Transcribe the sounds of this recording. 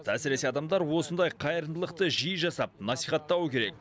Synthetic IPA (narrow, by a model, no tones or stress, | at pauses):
t̪æsɪɾe̞se̞ɑd̪ɑmd̪ɑɾwo̞sənd̪ɑjqʰɑjəɾənd̪əlˠəqt̪əʒijəʒɑsɑp̚nɑsijχɑt̪ːɑwəkʲʰe̞ɾe̞kk